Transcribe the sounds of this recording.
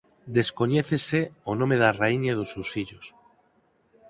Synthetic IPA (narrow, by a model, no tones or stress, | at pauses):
d̪eskoɲeθeseonõmeðaraiɲaðosewsfiʎos